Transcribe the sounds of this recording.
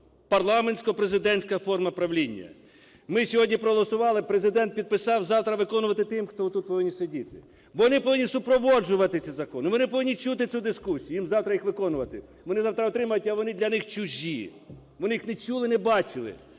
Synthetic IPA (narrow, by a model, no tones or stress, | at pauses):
pɐrlˠɑmenʲsʲkɔpɾezɪd̪ɛnʲsʲkɐfɔrmɐpɾɐʋlʲinʲːɐ̰ | mɪsʲɔɦɔdʲnʲipɾɔɦɔlˠɔsʊʋɑlˠɪpɾezɪd̪ɛnt̪̚pʲid̪̚pɪsɑwzɑwt̪ɾɐʋɪkɔnʊʋɐt̪ɪt̪ɪmxt̪ɔt̪ːut̪̚pɔʋɪnʲːisedʲit̪ɪ | bɔʋɔnɪpɔʋɪnʲisʊpɾɔʋɔd͡ʒʊʋɐt̪ɪsʲizɐkɔnʊʋɔnɪpɔʋɪnʲːit͡ʃut̪ɪud̪ɪskusʲijʊjimzɑwt̪ɾɐjixʋɪkɔnʊʋɐt̪ɪ | ʋɔnɪzɑwt̪ɾɐɔt̪ɾɪmɐjʊtʲɐʋɔnɪd̪lʲɐnɪxt͡ʃʊʒʲi | ʋɔnɪjixnɛt͡ʃulˠɪnɛbɑt͡ʃɪlˠɪ̰